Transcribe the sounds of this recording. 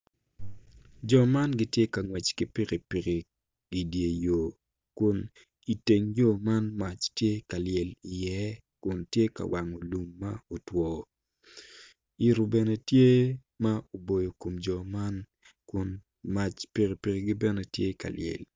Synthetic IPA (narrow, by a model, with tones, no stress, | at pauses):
d͡ʒɔ˨ma˦nɡɪ˦tje˦ka˨ŋwɛ˨t͡ʃkɪ˦pi˦ki˨pi˨ki˨ | ɡi˨dje˨jo˨ | kʊ˨n | i˨te˨ŋjo˦ma˦nma˨t͡ʃtje˦ka˨ljɛ˨li˨jɛ˦ | kʊ˨ntje˦ka̰˨wʔa˨ŋo˨lu˨mːa˦o˨twɔ˨ | i˨ɾu˨bɛ˨ne˨tje˦ | ma˦o˨bo˨jo˨ko˨md͡ʒɔ˨ma˦n | kʊ˨n | ma˨t͡ʃpi˨ki˨pi˨kɪ˦˨ɡɪ˦bɛ˦ne˨˦tje˦ka̰˨lɪ̰jɛ̰˨l